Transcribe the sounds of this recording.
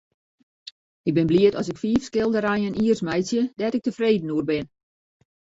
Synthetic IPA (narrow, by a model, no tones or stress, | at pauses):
ɪɡ̚bɪnbliətɔsɪkfiːfskɪlˠdəɾajəniərsmɛjsjədɛtɪk̚təfreːdən̩uərbɪn